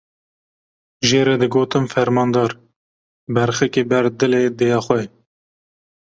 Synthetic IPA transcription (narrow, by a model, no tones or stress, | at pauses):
ʒeːɾɛd̪ɨɡoːt̪ɨmfɛɾmɑːnd̪ɑːɾ | bɛɾxɛkebɛɾd̪ɨleːd̪eːjɑːxʷɛ